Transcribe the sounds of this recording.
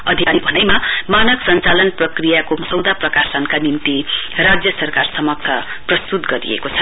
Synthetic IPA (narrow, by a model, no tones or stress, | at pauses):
ʌd̪ʱikaɾibʱʌnʌjmamanʌksʌnt͡salʌnprʌkrijakomʌsʌwd̪aprʌkasʌnkanint̪irad͡zjʌsʌrkarsʌmʌk̚t̪ʰʌ | prʌst̪ut̪ɡʌɾḭjḛkot͡sʰʌ